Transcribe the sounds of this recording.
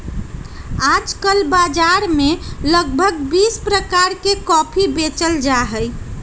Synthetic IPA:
ad͡ʒkəlbad͡ʒaɾmeləɡ̚bʱəɡbispɾəkaɾkekɔpʰibet͡ʃəld͡ʒaɦəj

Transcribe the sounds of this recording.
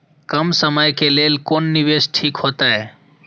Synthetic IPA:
kəmsəməjkeleːlkoːnːɪʋeːsʈʰiːkɦoːt̪aɦeː

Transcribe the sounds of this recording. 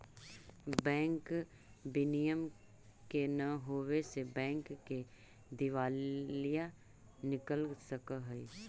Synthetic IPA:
bɛ̃ːŋk | bɪnijəm | kenəɦoːwesebɛ̃ːŋkːe | d̪ɪʋaːlija | nɪkəlsəkəɦəi

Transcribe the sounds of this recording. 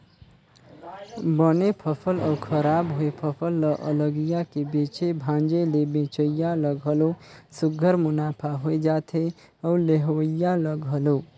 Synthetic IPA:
bʌnepʰʌpʰʌlʌwkʰʌɾabɦoepʰʌpʰʌlːʌʔə̰lʌɡijakebet͡ʃebʱãnd͡ʒelebẽt͡ʃəjalʌɡɦʌlosuɡʱəɾmunapʰaɦoed͡ʒat̪ʰe | ʌwleɦwəjalʌɡɦʌlo

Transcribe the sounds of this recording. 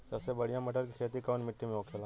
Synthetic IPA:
d͡ʒɛsebɐɽ̤ijãmɐʈəɾk̬ikʰeːt̪ikoːnmɪʈːimẽoːkʰela

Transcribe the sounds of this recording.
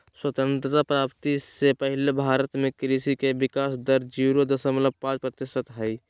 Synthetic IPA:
swət̪ə̃nt̪ɾəpɾaːpt̪isepəɦɪlebʱaːɾət̪mẽkɾisikebɪkaːsd̪əɾd͡ʒiɾod̪əsəmləb̚pãːt͡ʃpɾət̪ɪʃət̪ɦɛi

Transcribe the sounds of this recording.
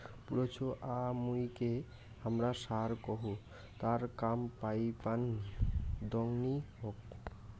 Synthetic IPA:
puɾot͡ɕʰoʔamujke | amɾaʃaɾkɔɦu | t̪aɾkampajpanid̪ɔŋniɦok

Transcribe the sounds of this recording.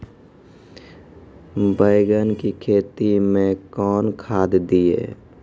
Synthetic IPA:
bəɪɡənkikʰeːt̪imẽkɔːnkʰaːd̪d̪iḛː

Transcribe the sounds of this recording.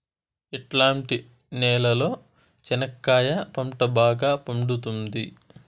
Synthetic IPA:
eʈlaːɳʈi | nɛːlɐlo̞ː | t͡ʃɐnɐkːaːjɐpɐmʈɐbaːɡaːpɐɳɖut̪und̪i

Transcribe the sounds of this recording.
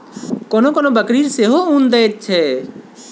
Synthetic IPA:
koːnoːkoːnoːbəkɾiːɾseːɦoũːnd̪eːt͡ʃʰɛː

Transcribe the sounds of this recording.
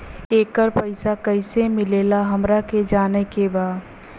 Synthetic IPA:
eːkːəɾpɐɪsakɐɪsemɪleːlaɦɐmɾaked͡ʒaːnekebaːd̪

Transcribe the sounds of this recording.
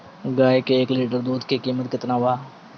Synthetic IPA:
ɡaːjkeːkliːʈəɾd̪uːd̪kikiːmət̪kɪt̪naːʋaː

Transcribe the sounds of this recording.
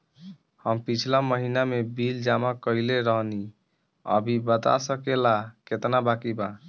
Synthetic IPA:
həmpit͡ʃʰlaməɦinamebild͡ʒamakəileɾəɦni | ə̰bʱibət̪a̰səkelaket̪nabakiba

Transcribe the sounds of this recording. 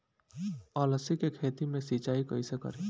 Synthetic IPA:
aːləsikekʰeːt̪imẽsiːt͡ʃaːikɐ̰isekɐ̰ɾeː

